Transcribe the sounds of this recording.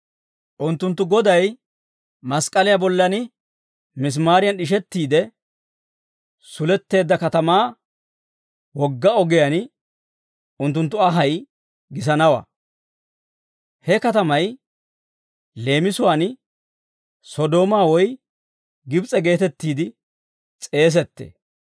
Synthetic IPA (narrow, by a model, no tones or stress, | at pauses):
ʔʊnt̪ːʊnt̪ːʊɡɔd̪ɐj | mɐskʼɐlɪjɐbɔlːɐnɪ | mɪs̬maːɾɪjɐnɪʃ̬ɛt̪ːiːd̪ɛ | sʊlɛt̪ːe̞ːd̪ːɐkɐt̪ɐmaː | wɔɡːɐɔɡɪjan | ʊnt̪ːʊnt̪ːʊɐɦɐj | ɡɪs̬ɐnɐwɐ̰ | hɛkɐt̪ɐmɐj | le̞ːmɪsʊwaːn | sɔd̪o̞ːmaːwɔj | ɡɪbt͡sʼɛɡe̞ːt̪ɛt̪ːiːd̪ɪ | t͡sʼe̞ːs̬ɛt̪ːḛː